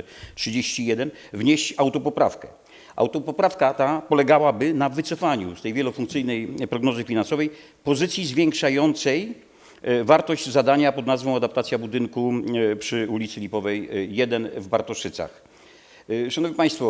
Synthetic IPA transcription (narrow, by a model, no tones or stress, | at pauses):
tʂɨd͡ʑeɕt͡ɕijɛd̪ɛn | vɲeɕt͡ɕawt̪ɔpɔpɾa̰fkɛ | ʔa̰wt̪ɔpɔpɾafkat̪apɔlɛɡawabɘnavɘt̪sɔfaɲust̪ɛjvʲjɛlɔfuŋk̚t̪sɘjnɛjpɾɔɡnɔzɘfʲinansɔvɛj | pɔzɘt̪sʲjizvʲjɛŋkʂajɔnt̪sɛj | vaɾt̪ɔʑd͡ʑzad̪aɲapɔd̪nazvɔ̃w̃ad̪ap̚t̪at̪sʲjabud̪ɘŋkupʂɘulʲit̪sɘlʲipɔvɛjːjɛd̪ɛnvbaɾt̪ɔʂɘt̪sa̰x | ʂanɔvɲipaj̃st̪fɔ